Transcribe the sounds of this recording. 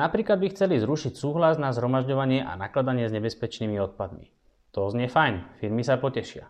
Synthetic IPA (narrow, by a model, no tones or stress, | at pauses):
napɾiːklad̪bixt͡sɛlizɾuʃicsuːɦlaznazɦɾɔmaʒɟɔʋaɲɪɛʔa̰naklad̪aɲɪɛzɲɛbɛspɛt͡ʃniːmiɔt̪̚pad̪mḭ | t̪ɔzɲɪɛfajnfiɾmisapɔcɛʃɪa̰